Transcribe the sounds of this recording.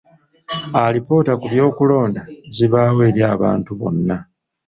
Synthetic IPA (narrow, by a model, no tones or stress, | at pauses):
alipo̞ːtakuβjo̞ːkulo̞ːndaziβaːwe̞ːɾjaːβa̰ːntuβo̞̰nːa